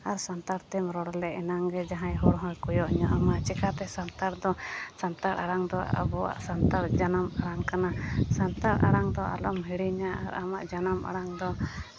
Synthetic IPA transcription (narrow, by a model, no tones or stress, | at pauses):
aɾsant̪aɾt̪ɛmɾɔɽlɛʔɛnaŋɡɛd͡ʒaɦãjɦɔɽɦɔ̃jkujɔʔɲɔʔamaʔt͡ʃɛkat̪ɛsant̪aɾd̪ɔsant̪aɾa̰ɽaŋd̪ɔa̰ʔa̰bɔwa̰ʔsant̪aɾd͡ʒanamaɽaŋkanasant̪aɾa̰ɽaŋd̪ɔʔa̰lɔmɦiɽiɲaa̰ɾamaʔd͡ʒanama̰ɽaŋd̪ɔ